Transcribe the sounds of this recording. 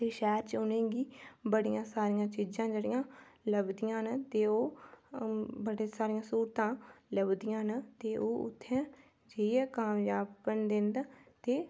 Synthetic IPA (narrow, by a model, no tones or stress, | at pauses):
t̪eːʃɛːɾt͡ʃʊnẽːɡiːbəɽɪjãːsaːɾɪjãːt͡ʃid͡ʒãːd͡ʒeːɽɪjãːləbd̪ɪjãːnat̪eːoː | bəɽesaːɾɪjãːsuːɾt̪ãːləbd̪ɪjãːnat̪eːʔoːʊ̰t̪ʰːɛ̃ː | d͡ʒeːiɛːkaːmjaːbːənd̪ẽːnd̪aːt̪eː